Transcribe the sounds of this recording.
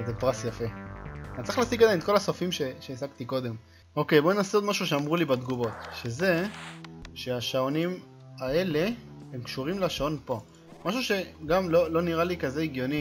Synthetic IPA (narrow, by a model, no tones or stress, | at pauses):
zepʁasjafe̞anitt͡sʁi̥χlaːsiɡad̪ajmet̪ko̞lasofimʃe̞ʃeːzaɡt̪iko̞d̪e̞m | o̞ke̞jbo̞nenaseod̪maʃuʃeamʁulibad̪ɡuvo̞t̪ʃe̞ze̞ | ʃeaʃaonim | ae̞le̞emkʃuʁimlaʃao̞npo̞ | maʃuʃe̞ɡamlo̞lo̞niʁalikaze̞iɡjo̞ni